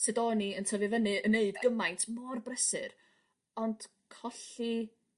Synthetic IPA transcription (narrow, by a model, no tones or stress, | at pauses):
sɛdɔniəntʰəvɨvənɨəneɨdɡəmajntʰmɔrbrɛsɨ̰r | ɔnd̥ | kʰɔɬi